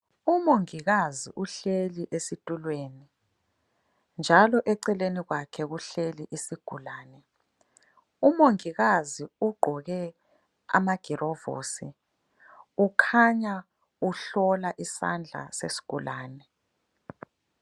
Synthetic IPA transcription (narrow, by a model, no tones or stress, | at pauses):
umoŋiɣazḭʔuɬeliʔesitʼulweːni | nd͡ʒʱalɔʔɛǀɛleniɣwakʰɛɣuɬeliʔisiɡ̥ʱulaːnɛ | umoŋiɣaziuɡ͡ǃʱɔɣɛ | a̰maɡ̥ʱirɔvo̰ːsi | ukʰaɲa | uɬɔlaʔisa̰nd͡ɮʱa̰sḛsi̥ɡ̥ʱulaːnɛ